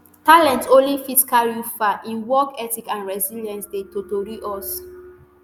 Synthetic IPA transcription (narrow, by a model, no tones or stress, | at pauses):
talɛ̃ntõnlifisi̥kalɹufaʔĩnwɔkɛtikãnɹɛziljãnsdetotoɹiʔɔs